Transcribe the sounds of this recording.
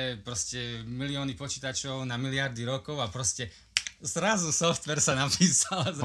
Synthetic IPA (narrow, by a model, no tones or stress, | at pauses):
ɛpɾɔscɛmiliɔːnipɔt͡ʃiːt̪at͡ʃɔʊnamiliaɾd̪iɾɔkɔʊapɾɔscɛ | zɾazusɔft̪ʋɛɾsanapiːsalz